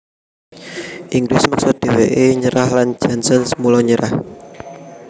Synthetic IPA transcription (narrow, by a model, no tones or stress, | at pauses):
ʔiŋɡɾɪsmak̚sʊt̪̚d̪̥e̤weʔeɲəɾahland͡ʒansɔnsəmulɔɲəɾah